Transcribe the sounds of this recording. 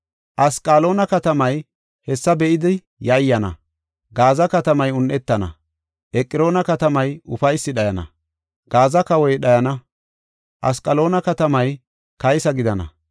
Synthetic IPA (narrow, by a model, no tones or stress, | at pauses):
ʔɐskʼːalo̞ːnɐkɐt̪ɐmɐj | hɛsːɐbɛʔɪd̪ɪ | jɐjːɐnɐ̰ | ɡaːzɐkɐt̪ɐmɐjʊnʔɛt̪ːɐnɐ̰ | ʔɛkʼːɪɾo̞ːnɐkɐt̪ɐmɐjʊfɐjsːɪɗɐjɐnɐ̰ | ɡ̥aːzɐkɐwɔjɗɐjɐnɐ | ʔɐ̰skʼːɐlo̞ːnɐkɐt̪ɐmɐj | kɐjsɐɡɪd̪ɐnɐ̰